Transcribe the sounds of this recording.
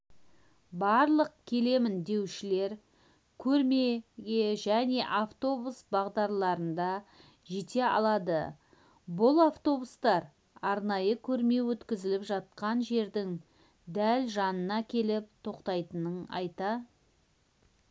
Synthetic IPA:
bɑɾlˠəq̚kʲʰe̞le̞mɪnd̪e̞wʃɪle̞ɾ | kʲʰɵɾme̞ɡʲe̞ʒæne̞ʔaft̪o̞busbɑʁd̪ɑɾlˠɑɾənd̪ɑ | ʒet̪e̞ɑ̰lˠɑd̪ə̰ | bʊlˠaft̪o̞bust̪ɑɾ | ɑɾnɑjəkʲʰɵɾme̞wɵt̪kʲɪzɪlɪpʒɑt̪̚qɑnʒe̞ɾd̪ɪŋ | d̪ælʒɑnənɑkʲʰe̞lɪp̚t̪ʰo̞qt̪ɑjt̪ənəɴɑ̰jt̪ɑ

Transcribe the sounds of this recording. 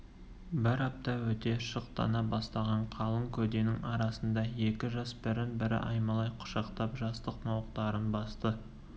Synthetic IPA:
bɪɾɑp̚t̪ɑwɵt̪e̞ʃəq̚t̪ɑ̰nɑbɑst̪ɑʁɑɴqʰɑlˠəŋkʲʰɵd̪enɪŋɑɾɑsənd̪ɑje̞kʲɪʒɑsbɪɾɪnbɪɾɪ̰ʔɑjmɑlˠɑjqʰʊ̥ʃɑqt̪ɑpʒɑst̪əqnɑwəqt̪ɑɾənbɑst̪ə

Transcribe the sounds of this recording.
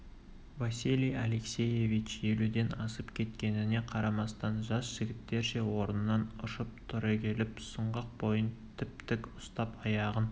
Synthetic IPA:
vasʲilʲijaleksʲeje̞vit͡ʃje̞lud̪e̞nɑsəpkʲʰe̞t̪kʲe̞nɪne̞qʰɑɾɑmɑst̪ɑnʒɑsʒ̥ɪɡʲɪt̪ːe̞ɾʃe̞wo̞ɾənənːɑnʊʃəp̚t̪ʰʏɾɑkʲʰe̞lɪpsəɴʁəq̚bo̞jənt̪ʰɪp̚t̪ɪkʊst̪ɑpɑjɑʁən

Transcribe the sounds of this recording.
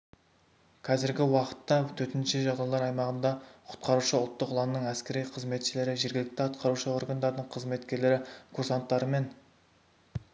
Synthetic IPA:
qʰɑzɪɾɡʲɪwɑqə̥t̪ːɑt̪ʰɵt̪ɪnʃɪʒɑʁd̪ɑjlˠɑɾɑjmɑʁənd̪ɑqʰʊ̥t̪qɑɾuʃəʊlˠt̪ːəqʊlˠɑnnəɴæskʲe̞ɾijqʰəzme̞t̪ʃɪle̞ɾɪʒe̞ɾɡʲɪlɪk̚t̪ɪɑt̪qʰɑɾuʃəo̞rɡand̪ɑɾd̪əɴqʰəzme̞t̪kʲe̞ɾle̞ɾɪkʰoɾsɑnt̪ːɑɾəme̞n

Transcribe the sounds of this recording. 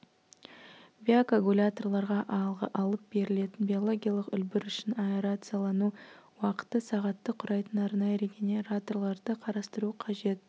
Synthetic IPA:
bʲiakaɡulʲat̪o̞rlˠɑɾʁɑʔɑlˠʁə̰ʔɑlˠəp̚b̥e̞ɾɪle̞t̪ɪnbʲio̞lˠo̞ɡʲijalˠəqʏlbɪɾʏʃɪnɑpeɾat̪sɨjalˠɑnuwɑqə̥t̪ːəsɑʁɑt̪ːəqʰʊɾɑjt̪ənɑɾnɑjəɾeɡʲenʲeɾat̪o̞rlˠɑɾd̪əqʰɑɾɑst̪əɾuqʰɑʒe̞t̪̚

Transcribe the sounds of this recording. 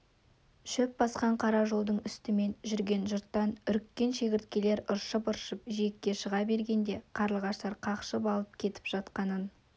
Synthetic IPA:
ʃɵp̚bɑsqɑɴqʰɑɾɑʒo̞lˠd̪əɴʏst̪ɪme̞nʒʏɾɡʲe̞nʒʊɾt̪ːɑnʏɾkʲːe̞nʃe̞kʲɪɾt̪kʲe̞le̞ɾʊɾʃəpʊɾʃəpʒijekʲːe̞ʃəʁɑbe̞ɾɡʲe̞nd̪e̞qʰɑɾəlˠʁɑʃt̪ɑɾqʰɑqʃəp̬ɑlˠəp̚kʲʰe̞t̪ɪ̥pʒ̥ɑt̪qɑnən

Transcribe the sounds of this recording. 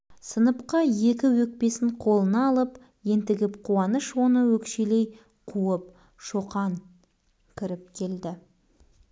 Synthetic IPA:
sənəpqɑje̞kʲɪwɵk̚pe̞sɪɴqʰo̞lˠənɑːlˠəp | je̞nt̪ɪɡʲɪpqʰuɑnəʃwo̞nəwɵkʃe̞le̞j | qʰuəp̚ | ʃo̞qɑŋ | kʲʰɪɾɪp̚kʲʰe̞ld̪ɪ

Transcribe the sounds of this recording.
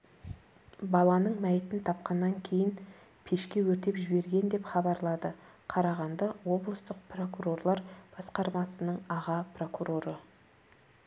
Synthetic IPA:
bɑlˠɑnəɴmæjt̪ɪnt̪ʰɑp̚qɑnːɑŋkʲʰe̞jɪn | pʰe̞ʃkʲe̞wɵɾt̪e̞pʒɪbe̞ɾɡʲe̞nd̪e̞pχɑbɑɾlˠɑd̪ə | qʰɑɾɑʁɑnd̪ɑwo̞blˠəst̪əq̚pro̞kuɾo̞rlˠɑɾb̥ɑsqɑɾmɑsənəɴɑʁɑpro̞kuɾo̞ɾə

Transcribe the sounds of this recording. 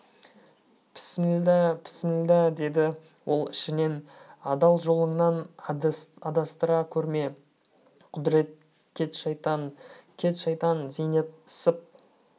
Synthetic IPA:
pʰspʰɪ̥smɪld̪ɑd̪e̞d̪ɪ | wʔo̞̰lˠɪʃɪne̞nɑd̪ɑlˠʒo̞lˠəɴnɑn | ɑd̪ɑst̪əɾɑkʲʰɵɾme̞ | qʰʊd̪ɾe̞t̪̚ | kʲʰe̞t̪ʃɑjt̪ɑnkʲʰe̞t̪ʃɑjt̪ɑnzejnep̪ɪsɪp̚

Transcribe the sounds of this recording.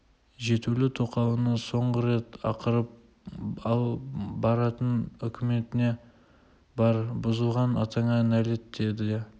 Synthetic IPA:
ʒe̞t̪ulɪt̪ʰo̞qɑwənəso̞ɴʁəɾe̞t̪ɑ̰qəɾəp̚ | ɑlˠbɑɾɑt̪ənʏkʲʰɪme̞t̪ɪne̞ | bɑɾbʊzəlˠʁɑnɑ̰t̪ɑɴɑnæle̞t̪ːe̞d̪ɪ

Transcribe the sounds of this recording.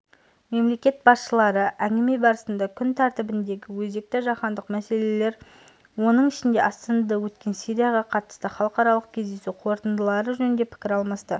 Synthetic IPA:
me̞mle̞kʲe̞t̪̚bɑsʃəlˠɑɾəʔæŋɡʲɪme̞bɑɾəsənd̪ɑkʲʰʏnt̪ʰɑɾt̪ɪbɪnd̪e̞ɡʲɪwɵze̞k̚t̪ɪʒɑqɑnd̪əqmæse̞le̞le̞ɾ | wo̞nəɴɪʃɪnd̪e̞ʔɑst̪ɑnɑd̪ɑwɵt̪kʲe̞nsijɾijaʁɑqʰɑt̪ə̥st̪əχɑlˠəqɑɾɑlˠəq̚kʲʰe̞zd̪e̞suqʰo̞ɾt̪ənd̪əlˠɑɾəʒɵnɪnd̪epʰɪ̥kʲɪɾɑlˠmɑst̪ə

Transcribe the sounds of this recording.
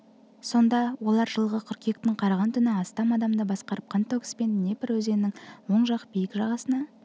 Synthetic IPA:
so̞nd̪ɑwo̞lˠɑɾʒəlˠʁəqʰʏɾkʲek̚t̪ɪɴqʰɑɾɑʁɑnt̪ʰʏnɪɑst̪ɑmɑd̪ɑmd̪əbɑsqɑɾəp̚qʰɑnt̪ʰokspe̞nne̞pɪɾwɵze̞nɪnɪŋwo̞ɴʒɑqbijɪkʒɑʁɑsənɑ

